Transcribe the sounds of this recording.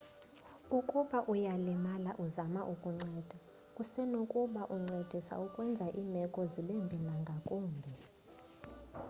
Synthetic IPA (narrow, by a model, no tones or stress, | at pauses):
ukʼuɓaʔujalimalaʔuzamaʔukʼuŋ͡ǀɛd̥ʱa | kʼusɛnokʼuɓaʔuŋ͡ǀed̥ʱisa̰ukʼwɛnd͡zʱaʔiːmɛkʼɔziɓembʱinaŋɡʱakʼuːmbʱɛ